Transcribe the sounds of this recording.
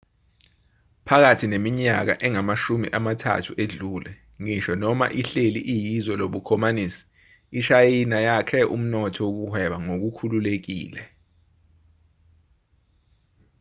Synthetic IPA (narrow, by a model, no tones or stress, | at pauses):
pʰak̬atʰinemiɲak̬a̰ʔɛŋamaʃumḭʔamatʰa̰tʰuʔeɮuːlɛ | ŋiʃɔnɔma̰ʔiɬeliʔijizɔloɓukʰɔmaniːsi̥ː | ʃajinajakʰɛʔṵm̩nɔtʰɔwok̬uhwɛɓaŋok̬ukʰululek̬ḭːlɛ